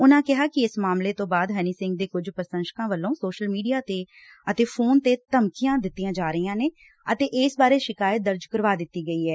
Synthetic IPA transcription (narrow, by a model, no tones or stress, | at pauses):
ʊnãːkɪɦaːkɪɪsmaːmleːt̪õːbaːd̪ɦɛːniːsɪ̃ŋɡ̚d̪eːkʊd͡ʒpəɾsə̃nʃə̥kãːʋəlːõːsoːʃəlmiːɖijaːt̪eː | ət̪eːpʰoːnt̪eːt̪əmkɪjãːd̪ɪt̪ːijãːd͡ʒaːɾəiːãːneː | ət̪eːʔɪsbaːɾeːʃɪkaːjət̪̚d̪əɾd͡ʒkəɾʋaːd̪ɪt̪ːiːɡəiːɦɛː